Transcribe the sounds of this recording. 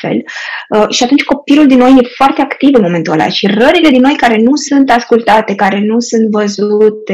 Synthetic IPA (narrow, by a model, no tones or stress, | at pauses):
fe̞̰ləʃiat̪unt͡ʃʲko̞piluld̪inːo̞jːe̞foart̪e̞akt̪ivɨnmo̞me̞nt̪uala̰ʃirəɾile̞d̪inːo̞jkaɾe̞nusunt̪askult̪at̪e̞kaɾe̞nusunt̪vəzut̪e